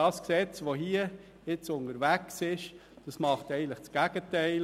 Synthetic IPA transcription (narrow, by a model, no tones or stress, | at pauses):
ɑːsksɛt͡sʋoɦiːə | ɪt͡sʊnəɾʋæksɪʃ | d̥ɑsmɑχtɛɪən̩tləχt͡sɡ̥æɡ̥ətɛɪl